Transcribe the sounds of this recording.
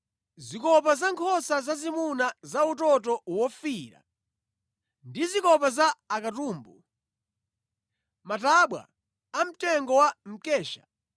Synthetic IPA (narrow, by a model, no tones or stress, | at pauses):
zikɔp̬azaŋkʰɔsazazimunazautɔtɔwɔfiɾa̰ | ndizikɔpazaːkatuːmbu | mataɓwa̰ | am̩tɛŋɡɔwam̩kɛːʃḁ